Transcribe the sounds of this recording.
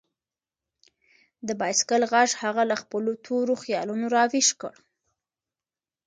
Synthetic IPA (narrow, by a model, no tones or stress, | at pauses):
d̪əbɑjskəlɣaʒhaɣalaxpəlot̪ʰoɾoxjɑ̰lunoɾɑwiʃkə̰ɽ